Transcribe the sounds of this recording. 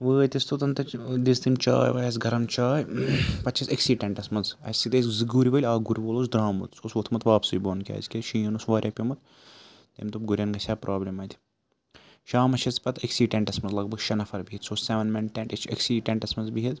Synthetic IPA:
ʋəːt̪ʲist̪ot̪ɐnt̪ɐd̪ist̪imt͡ʃa̰ːjʋɐjɐs̬ɡʱɐɾɐmt͡ʃaːjpɐt̪ʲːt͡ʃʰɐsɐksiːʈeɳʈɐsmɐnzɐ̰sʲit̪eszɨɡuɾʲiʋɐlʲaːɡuɾʲʋoːloːs̬d̪ɾaːmɨ̰t̪sosʋot̪ʰmɐt̪ʋaːpsuːjʲboːnkʲa̰ːzkʲeʃiːɐnusʋaːɾʲʔjɐːpʲimɐt̪̚ | t̪ḛːmʲt̪upɡuɾʲɐnɡɐsʲaːpɾʔaːblʲɐmɐːt̪ʰʲi̥ | ʃaːmɐt͡ʃʰɐt͡spɐt̪ʰiksiːʈeɳʈɐsmɐnzlɐɡ̚bɐɡʃɐnɐfɐɾbiɦit̪soːsseʋɐnmɐnʈeɳɐt͡ʃɐ̰ksiːʈeɳʈɐsmɐnzbiɦit̪

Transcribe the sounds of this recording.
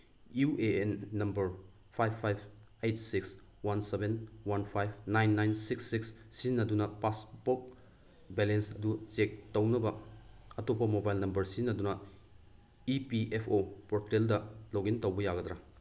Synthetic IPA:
juʔeenːɐmbɐɾ | pʰajbʰajb̚ʰejtsiks | wansebenwanpʰajb̚ʰnajnːajnsiksːikssinːɐdunɐpasbok̚ | belensɐdut͡ʃek̚tɐwnɐbɐ | ɐtopːɐmobajlnɐmbɐɾsinːɐdunɐ | ipiepʰopoɾteldɐloɡintɐwbɐjaɡɐdɾa

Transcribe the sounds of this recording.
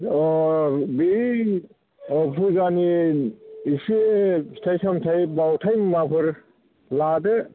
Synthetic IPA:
ɔbi | ɔpʰuzani | isistʰejsamtʰajbawtʰajmmapʰɯɾ | ladɯ

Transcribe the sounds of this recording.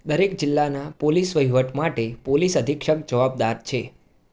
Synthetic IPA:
d̪əɾekd͡ʒɪlːanapolisʋəjʋəʈmaʈepolisəd̪ʱikʃək̚d͡ʒəʋab̚d̪aɾt͡ʃʰe

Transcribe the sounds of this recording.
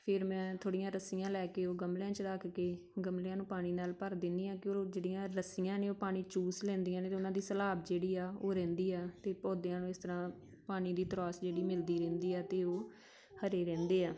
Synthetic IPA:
pʰɪɾmɛ̃ːt̪ʰoːɽɪjãːɾəsijãːlɛːkeːoːɡəmljãːt͡ʃəɾəkʰkeː | ɡəmleãːnũːpaːɽ̃iːnaːlpəɾd̪ɪnd̪iːãːkɪod͡ʒeːɽɪjãːɾəsijãːneːoːpaːɽ̃iːt͡ʃuːslɛ̃ːnd̪ijãːneːt̪eʊnãːd̪iːsəlaːbd͡ʒeːɽiːaːoːɾɛ̃ːnd̪iːaːt̪eːpoːd̪jãːnũːɪst̪əɾãː | paːɽ̃iːd̪iːt̪əɾɔːsd͡ʒeːɽiːmɪld̪iːɾɛ̃ːnd̪iːɛːt̪eːoː | həɾeːɾɛ̃ːnd̪eːaː

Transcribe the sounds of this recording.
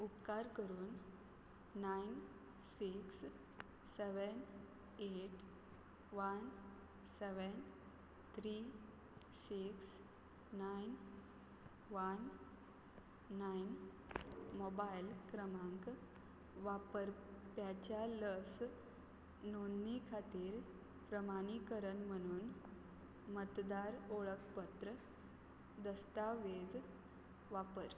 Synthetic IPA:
upkaɾkəɾuːnː | ajn | siks | sɛʋən | eʈ | ʋən | sɛʋən | t̪ʰɾi | siksː | ajn | ʋən | ain | mobajlkɾəmãŋk | ʋapəɾpjat͡ɕjaləs | nonːikʰat̪iːɾ | pɾəmaɽ̃ikəɾəɳm̤əɽ̃uːn | mət̪d̪aɾoɭəkʰpət̪ɾə | d̪əst̪aʋed͡z | ʋapəɾ

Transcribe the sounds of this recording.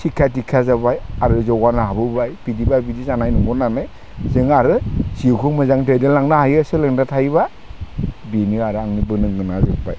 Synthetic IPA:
sʰikʰːatikʰazabajaɾɯzɔɡanaɦabɯbajb̥idibajbidizanajnɔŋɡɔnanɯj | zɯŋaɾɯsikʰɯmɯzaŋdedelaŋnahajɯsɯlɯŋdatʰajβa | binɯaɾɯaŋnibɯnɯŋɡɯnazɯk̚pa̰j

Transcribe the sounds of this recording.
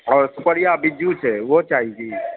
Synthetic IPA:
ɔːɾsʊpəɽijabɪd͡ʒut͡ʃʰɛʋot͡ʃaːɦid͡ʒiː

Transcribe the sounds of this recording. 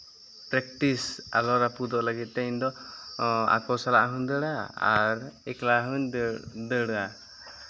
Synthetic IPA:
pɾɛk̚ʈisa̰lɔɾapud̪ɔʔləɡit̪̚ˀt̪ɛind̪ɔ | a̰kɔwsalaʔɦuɲd̪əɽaa̰ɾɛklaɦuɲd̪əɽa

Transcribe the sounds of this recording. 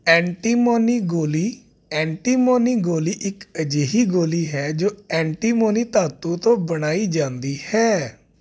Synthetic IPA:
ɛ̃ːɳʈiːmoːniːɡoːliː | ɛ̃ːɳʈiːmoːniːɡoːliːʔɪkəd͡ʒeːɦiːɡoːliːɦɛːd͡ʒoːɛ̃ːɳʈiːmoːniːt̪aːt̪uːt̪õːbəɽ̃aːiːd͡ʒãːnd̪iːhɛː

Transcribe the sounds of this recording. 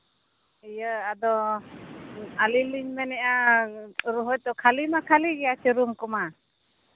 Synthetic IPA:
ijəad̪ɔ | aliliɲmɛnɛʔa | ɾɔɦɔt̪ɔkʰalimakʰaliɡɛjat͡ʃəɾumkɔma

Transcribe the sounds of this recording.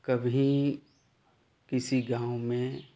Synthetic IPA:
kɐbʱi | kɪsiɡãːʊwmẽ

